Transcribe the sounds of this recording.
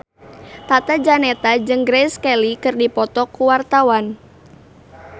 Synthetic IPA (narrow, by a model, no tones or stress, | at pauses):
t̪at̪ad͡ʒanɛt̪ad͡ʒɨŋɡɾɛskɛlikɨrdipɔt̪ɔkːuwart̪awan